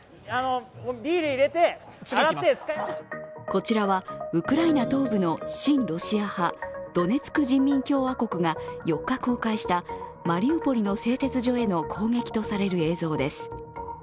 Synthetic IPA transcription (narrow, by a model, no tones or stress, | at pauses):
anobʲiːɾɯiɾe̞t̪e̞ | aɾae | ko̞t͡ɕiɾaβaɯ̟kɯ̟ɾainat̪o̞ːbɯ̟no̞ɕĩnɾo̞ɕiahad̪̥o̞ne̞t͡sɨ̥kɯ̟ʑĩmʲːĩŋkʲo̞ːβako̞kɯ̟ŋajo̞kːako̞ːkaiɕi̥t̪amaɾʲiopo̞ɾʲino̞se̞ːt̪e̞t͡sɨʑo̞ːe̞no̞kʰo̞ːŋe̞kʲi̥t̪o̞saɾe̞ɾɯ̟e̞ːzo̞ːd̪e̞sɨ̥